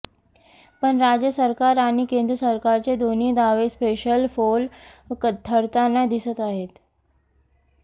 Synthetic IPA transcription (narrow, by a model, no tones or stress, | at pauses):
pəɳɾad͡ʑjəsəɾkaɾaɽ̃ikend̪ɾəsəɾkaɾt͡ɕed̪on̤iːd̪aʋespeɕəlfolkət̪ʰːəɽt̪anːad̪isət̪aɦet̪